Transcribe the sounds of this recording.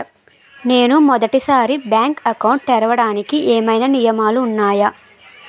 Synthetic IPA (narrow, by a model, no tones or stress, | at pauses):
ne̞ːnumɔd̪ɐʈisaːɾibjaːŋkɐkɐwɳʈt̪ɛɾɐʋɐɽaːnikiʔeːmɐjnɐnijɐmaːluːnːaːjɐ